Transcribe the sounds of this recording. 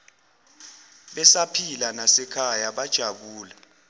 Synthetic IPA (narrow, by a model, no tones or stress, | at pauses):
ɓɛsapʰilanasɛkʰajaɓad̥ʒ̥ʱaɓuːla